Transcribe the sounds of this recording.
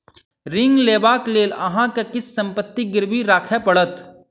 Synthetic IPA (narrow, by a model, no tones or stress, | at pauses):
ɾɪ̃ŋɡleːbaːkleːlɐ̰ɦãkekɪsːɐ̃mpət̪ːiɡɪɾʋiɾaːkʰepəɽət̪